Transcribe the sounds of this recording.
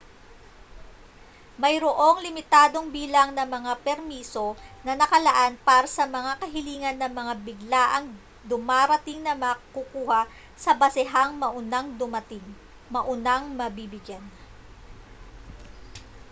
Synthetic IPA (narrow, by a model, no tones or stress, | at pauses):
mɐjɾoʔo̞ŋlɪmɪt̪aːd̪o̞ŋbiːlɐŋnɐmɐŋapɛɾmiːso̞nɐnɐkɐlɐʔanpaːɾɐsɐmɐŋakɐɦɪliːŋɐnːɐmɐŋabɪɡlaʔɐŋ | d̪ʊmaːɾɐt̪ɪŋnɐmɐkukuːhɐ | sɐbɐsɪɦaŋmɐʔʊnaŋd̪ʊmɐt̪ɪŋ | mɐʔʊnaŋmɐbibɪɡjan